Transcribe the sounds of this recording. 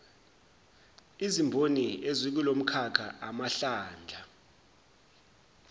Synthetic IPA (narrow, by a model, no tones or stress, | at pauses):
izimbʱoniezik̬ulom̩kʰakʰa̰ʔamaɬaːnd͡ɮʱa